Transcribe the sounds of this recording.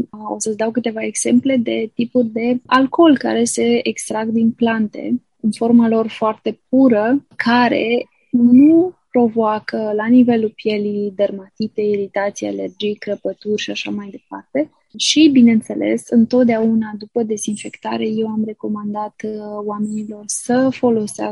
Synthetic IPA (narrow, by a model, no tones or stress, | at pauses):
o̞̰səsd̪awkɨt̪e̞vae̞ɡz̥e̞mple̞d̪e̞t̪ipurʲd̪e̞alko̞lka̰ɾe̞se̞ekst̪ɾaɡd̪inplant̪e̞̰ | ɨnfo̞rmalo̞rfoart̪e̞p̚uɾəkʰaɾe̞̰ | nupɾo̞voakəlanive̞lupje̞lid̪ərmat̪it̪e̞iɾit̪at̪sijḛele̞rd͡ʒijkɾəpət̪urʲʃiaʃamajd̪e̞part̪e̞ | ʃibineɨnt̪se̞le̞̰sɨnt̪o̞t̪̚d̪eaunad̪upəd̪e̞zinfe̞kt̪aɾe̞je̞wamre̞ko̞mand̪at̪wame̞nilo̞rsəfo̞lo̞sea̰